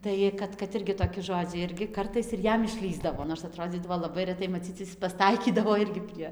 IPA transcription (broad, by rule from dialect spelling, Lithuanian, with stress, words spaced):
ˈtɐɪ kɐt kɐt ˈɪrʲɡʲɪ toːˈkʲɪ ˈʒoːd͡zʲɛɪ ˈɪrʲɡʲɪ ˈkɐrtɐɪs ɪr ˈjɛm ɪʃʲˈlʲiːzdɐʋoː noːrs ɐˈtroːd͡zʲiːdɐʋoː lˠɐˈbɐɪ rʲɛˈtɐɪ mɐˈt͡sʲiːt͡s pɐsˈtɐɪkʲiːdɐʋoː ˈɪrʲɡʲɪ pʲrʲiɛ